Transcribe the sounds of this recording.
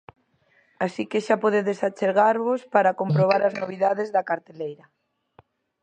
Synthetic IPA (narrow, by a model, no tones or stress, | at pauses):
asikeʃapoðeðesat͡ʃeɾɣaɾβospaɾakompɾoβ̞aɾaznoβ̞iðaðezðɐkaɾt̪elejɾɐ